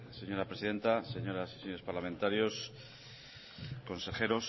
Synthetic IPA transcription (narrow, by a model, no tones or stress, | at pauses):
se̞ɲo̞ɾapɾe̞siðe̞nt̪aseɲo̞ɾasi̥senɲoe̞spaɾlamẽnt̪aɾjo̞s | ko̞nse̞xe̞ɾo̞s